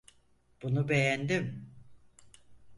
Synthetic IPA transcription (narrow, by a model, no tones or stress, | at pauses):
b̥unubejænd̪im